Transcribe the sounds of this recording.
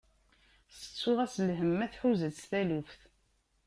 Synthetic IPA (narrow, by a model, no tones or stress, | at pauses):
sə̥t͡sːʊʁæslɦəmːæθħuzəst̪ælufθ